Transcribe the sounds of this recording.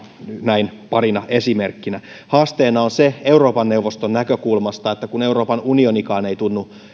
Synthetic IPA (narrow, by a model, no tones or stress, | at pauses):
næinpɑrinɑesimerkːinæ | hɑːst̪eːnɑonseeuɾo̞ːpɑnːeuʋost̪onnækøkulmɑst̪ɑet̪ːækune̞uro̞ːpɑnunionikɑːnejt̪unːu